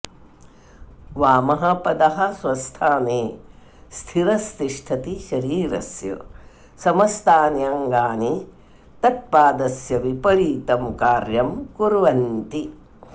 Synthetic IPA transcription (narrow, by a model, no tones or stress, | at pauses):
ʋaːmɐɦɐpɐd̪ɐɦɐ̆sʋɐst̪ʰaːneː | st̪ʰiɾɐst̪iʂʈʰɐt̪iʃɐɾiːɾɐ̰sjɐ̰ | sɐmɐst̪ʰaːnjaŋɡaːni | t̪ɐʈ̚paːd̪ɐsjɐʋipɐɾiːt̪ɐmkaːɾjɐmkuɾʋɐnt̪i